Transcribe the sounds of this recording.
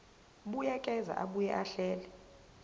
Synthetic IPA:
ɓujɛkʼɛza̰ʔaɓujɛʔaɬɛːlɛ

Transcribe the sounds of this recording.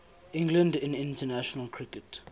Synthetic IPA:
ɪ̃ŋɡlə̃ndɪ̃nɪ̃ntənaʃɔnəlkʰɹɪkət

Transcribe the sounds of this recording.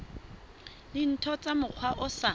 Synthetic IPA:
lɪn̩tʰɔt͡sʼamʊq͡χʰwaʔʊsa

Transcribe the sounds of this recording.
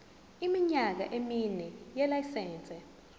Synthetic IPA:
imiɲak̬a̰ʔeminɛjɛlajsɛːnt͡sʼɛ

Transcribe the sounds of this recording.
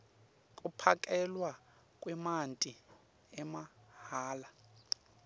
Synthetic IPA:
kʼupʰakʼɛlwa | kʼwɛmantʼi | ɛmahaːla

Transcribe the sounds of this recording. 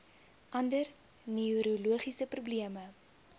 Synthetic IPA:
ʔɐndər | niuɾoluəχisəprubliəmə

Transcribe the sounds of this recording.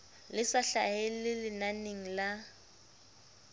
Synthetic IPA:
lɪsaɬaɦelɪlɪnaneŋ̩la

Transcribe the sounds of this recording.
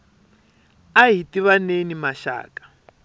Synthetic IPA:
aɦitiβanenimaʃa̰ːkʼḁ

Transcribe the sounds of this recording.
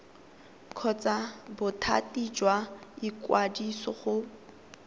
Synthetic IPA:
kʰɔt͡sabʊtʰa̰tʼid͡ʒwaikʼwadisɔχʊ

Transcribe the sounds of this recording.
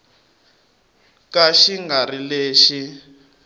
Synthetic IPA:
kaʃiŋɡarileːʃi

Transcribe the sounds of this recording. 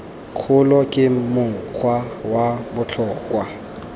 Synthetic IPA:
q͡χʰʊlɔkʼɪmʊŋ̩q͡χʰwawabʊt͡ɬʰɔːkʼwa

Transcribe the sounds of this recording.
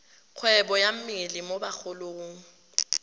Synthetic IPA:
k͡xʰwɛbɔjam̩miɪlimobak͡xʊlʊːŋ̩

